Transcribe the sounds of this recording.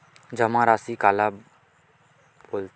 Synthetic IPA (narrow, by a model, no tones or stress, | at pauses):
d͡ʒəmãɾaːsikaːla | boːlt̪